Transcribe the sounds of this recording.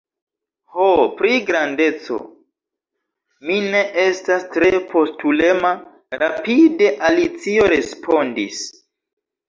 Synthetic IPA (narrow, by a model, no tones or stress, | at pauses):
hopɾiɡɾande̞t͡so̞̰ | mine̞ʔe̞stastɾepʰo̞stule̞ma | ɾapide̞ʔalit͡sio̞ɾe̞spʰo̞ndis